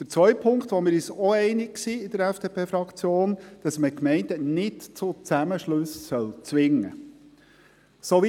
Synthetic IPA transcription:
d̥əɾt͡sʋœʏpʰʊŋkt̪ʋɔmɪɾyːsɔɛɪnɪkksiɪd̥əɾɛfd̥eːpʰeːfɾɑkt͡sjoːnd̥ɑsməkmɛɪndənɪtt͡sʊt͡sæməʃlɵssœlt͡sʋɪŋːə̰ | soʋi

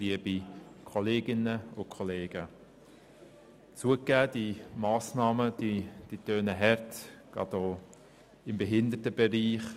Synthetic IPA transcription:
liəbikʰɔleːɡɪnəʊkʰɔleːɡ̥ə | t͡suəkːæːd̥imɑːsnɑːməd̥id̥itøːnəɦɛɾtɡ̥ɑ̰doː | ɪmbɛɦɪnd̪ətəb̥ɛɾiːχ

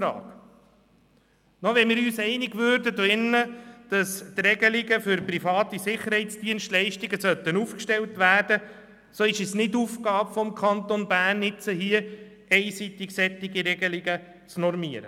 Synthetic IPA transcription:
ɾɑ̰ːk | nɔʋɛnmɪːɾyːsɛɪniɡʋøːɾdəd̪ɪnːəd̥ɑst̪rɛɡəlɪɡəfʏɾprifɑːt̪isɪχːəɾhɛɪt̪t͡sd̥iənstlɛɪʃtiɡəsœt̪ːənufkʃtɛltʋæːrd̥ə | soːɪʃɛsnɪdufkɑːbfɔmkʰɑnt̪onbæːnːɪt͡səɦiə | ɛɪsit̪ɪksɛt̪ːɪɡiɾɛɡəlɪɡə | t͡snɔɾmiəɾə̰

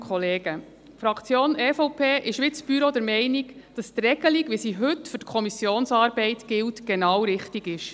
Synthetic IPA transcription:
kʰχɔleːɡ̥ə | fɾɑkʰt͡sjoːnɛːfɔʊpʰeːʔɪʃʋɪtt͡sb̥yɾod̥ɛɾmɛɪnikd̥ɑst̪rɛɡ̥əliɡʋisiɦɵtfʏtkʰɔmisjoːnsɑːɾbɛɪtɡ̥ɪltɡ̥ɛnɑwɾɪχtiɡɪʃ

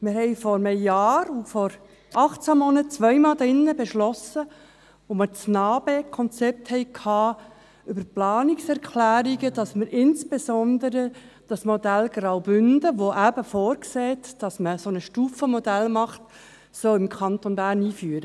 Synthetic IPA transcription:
mɪɾhɛɪfɔɾməjɑːɾufɔɾ | ʔɑχt͡sæmɔnətt͡sʋœjmɑːldɪnːəbɛʃlɔsə | ʋomət͡snɑːb̥ekʰɔnt͡sɛp̚t̪hɛɪkʰhɑː | ʏbəɾplɑːniksɛɾkʰlæːɾiɡəd̥ɑsməɾɪnsb̥esɔnd̪əɾə | d̥ɑsmɔd̪ælɡɾawbʏndəʋoʔæbəfɔːɾkseːt̪d̥ɑsməsonəʃtuːfəmɔd̥̪ælmɑχt | sɔlɪmkʰɑnt̪onbæːɾniːfyːəɾə

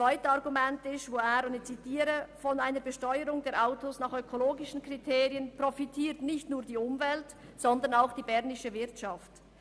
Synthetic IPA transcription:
vaɪtəɑʁɡumɛntɪsvoaɾonɪt͡sitiːɾəfɔnaɪnəɾbəʃtɔʏəɾʊŋdɛːɐɾʔaʊtosnɑːχøkʰoloːɡɪʃn̩kritʰeːʁiənprofitʰiːɐtnɪçtnuːɐdiːʊmvɛlt | z̥ɔndənaʊxd̥iːbɛʁnɪʃəvɪʁtʃaft

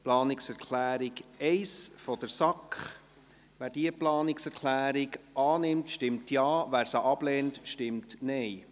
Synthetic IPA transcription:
plɑːnɪksɛɾkʰlæːɾɪɡɛɪsfɔd̥əɾsɑkχ | ʋæːɾd̥iəplɑːnɪksɛɾkʰlæːɾɪɡʔɑːnɪmtʃtɪmtjɑːʋæːɾsɑʔɑblɛːntʃtɪmtnɛɪ

